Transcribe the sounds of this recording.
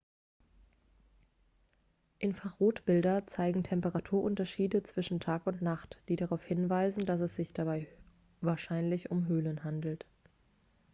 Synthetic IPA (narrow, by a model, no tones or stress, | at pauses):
ʔɪnfaʁoːtb̥ɪldɐt͡saɪɡŋ̩tʰɛmpəʁatʰuːɐʔʊntɐʃiːdət͡sv̥ɪʃn̩tʰaːkʊntnaχtd̥iːdaʁaʊfhɪnvaɪzn̩d̥asɛsz̥ɪçd̥abaɪ | vaːɐʃaɪnlɪçʊmɦøːlənɦandl̩t